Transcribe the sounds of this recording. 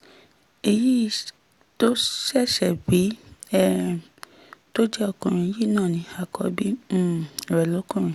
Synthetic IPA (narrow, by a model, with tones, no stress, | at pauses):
e˧ji˦˨ | to˦ʃɛ˦˨ʃɛ˨bi˨˦ɛ˦ | to˦d͡ʒɛ˦ɔ˦˧˨kũ˨ɾ̃ĩ˧˦ji˦˨˦nãː˦˨nĩ˨˧˦a˨kɔ̰˧˦bĩ˦˨ɾɛ˨lɔ˨˦kũ˦˨ɾ̃ĩ˨